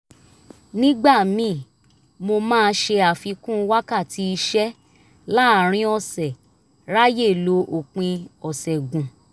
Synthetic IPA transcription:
nĩ˦ɡ͡ba˦˨mĩ˨˦˨ | mo˧mãː˦˧˦ʃe˧a˨fi˧kũ˦˧˦wa˦ka˦˨ti˨˧˦i˧ʃɛ˦ | la˦˨ɾ̃ĩ˧˦ɔ˦˨sɛ˨ | ɾa˦je˦˨lo˧ʔo˨k͡pĩ˧ɔ˨sɛ˨ɡũ˨

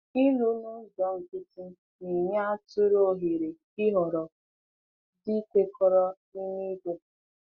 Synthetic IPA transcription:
i˦lu˦nʊ˦zɔ˦ŋ̩˨kɪ˦ti˦ | ni˨ɲa˦tʊ˦ɾo˦˨ɦi˨ɾe˨ | ɪ˦ɦɔ˨ɾɔ˨ | di˦kʷe˦kʰɔ˦ɾɔ˦ | i˦ni˦ɡe˦

